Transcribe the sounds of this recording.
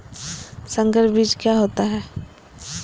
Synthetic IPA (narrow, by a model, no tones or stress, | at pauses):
sə̃ŋɡəɾbid͡ʒkjaɦoːt̪aɦɛː